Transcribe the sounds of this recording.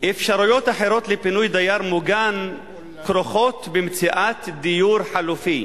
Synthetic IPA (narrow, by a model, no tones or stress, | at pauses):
ʔefʃaɾujot̪aħeɾot̪lepinujd̪ajaɾmuɡan | kɾoχot̪bemt͡siʔat̪d̪ijuːɾħalufi